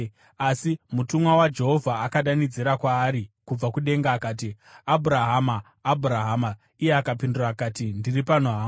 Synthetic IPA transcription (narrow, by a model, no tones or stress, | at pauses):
asimutumwawad͡ʒe̞ɦo̞vʱaːkaɗanid͡ziɾakwaːɾikub͡vakuɗe̞ŋɡaːkaːt̬i | abʱuɾaɦamaː | bʱuɾaɦama | ijeakapinduraːkaːtindiripanoɦaːm